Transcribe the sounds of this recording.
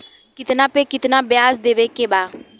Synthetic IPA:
kɪt̪naːpeːkɪt̪naːbjaːsd̪eːʋeːkeːbaː

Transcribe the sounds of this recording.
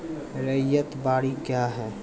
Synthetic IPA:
ɾəjət̪baːɽikjaːɦɛː

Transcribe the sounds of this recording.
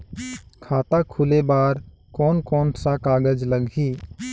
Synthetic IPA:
kʰaːt̪akʰʊlebaːɾ | kɔːnkɔːnsakaːɡəd͡ʒləɡi

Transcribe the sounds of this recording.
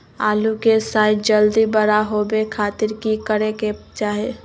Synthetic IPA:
aːlukesaːɪd͡ʒəld̪ibəɾaɦobekʰaːt̪ɪɾkikəɾeket͡ʃaːɦe

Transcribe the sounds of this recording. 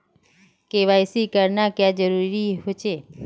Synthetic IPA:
keʋajsikəɾnakjãd͡ʒəɾuɾiɦot͡ʃʰe

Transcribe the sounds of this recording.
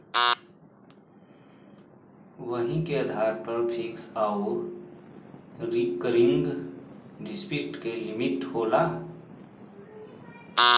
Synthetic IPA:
ʋəɦĩkeəd̪ʱaːɾpəɾpʰeksaːo | ɾikəɾɪ̃ŋɡ | ɾɪspɪsʈkelɪmɪʈhoːlaː

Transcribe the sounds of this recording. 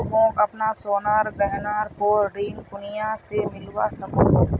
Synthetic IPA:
õkɐpnasoːnəɾɡəɦnaːɾkoːɾiːnpʊnɪjasemɪlwasəkõːoː

